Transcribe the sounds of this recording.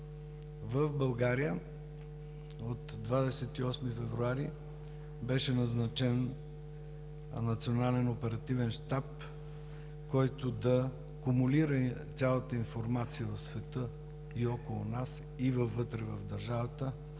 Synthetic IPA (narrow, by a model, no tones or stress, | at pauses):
vəfbɐlˠɡaɾijə | ot̪d̪vad̪ɛsɛt̪iɔsmifɛvɾuaɾi | bɛʃɛnɐznɐt͡ʃɛn | nɐt̪sionalɛnopɛɾɐt̪ivɛnʃt̪ap | kɔjt̪od̪ɐ | kumuliɾət̪sʲalˠət̪əinfoɾmat̪sijəvəfsvɛt̪ə | iɔkolˠʊnas | ivəvːɤt̪ɾɛvəvd̪əɾʒavət̪ə